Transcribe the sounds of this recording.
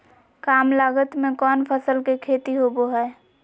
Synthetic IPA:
kaːmlaːɡət̪mẽkɔːnpʰəsəlkekʰeːt̪iɦoboɦɛː

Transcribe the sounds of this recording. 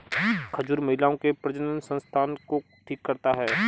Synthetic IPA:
kʰɐd͡ʒuːɾmɐɦɪlaːõkepɾɐd͡ʒənənsə̃nst̪ʰaːnko | ʈʰiːkːɐɾt̪aɦɛː

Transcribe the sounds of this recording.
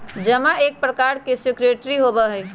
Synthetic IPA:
d͡ʒəmaeːk̚pɾəkaɾkesɪkɾeʈɾiɦobəɦəj

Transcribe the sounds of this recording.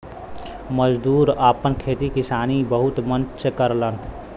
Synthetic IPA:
məd͡ʒd̪uːɾəpənkʰeːt̪ikisaːnibəɦut̪mənsekəɾlən

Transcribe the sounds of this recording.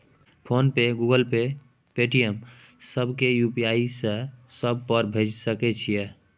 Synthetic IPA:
pʰonpeɡuɡəlpe | peʈijəm | səbʱkejupiaisẽsəb̚ʱpəɾbʱed͡ʒsəkɛt͡ʃʰijɛ

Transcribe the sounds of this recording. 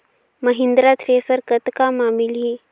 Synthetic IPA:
məɦind̪ɾat̪ʰɾesəɾkət̪kamamili

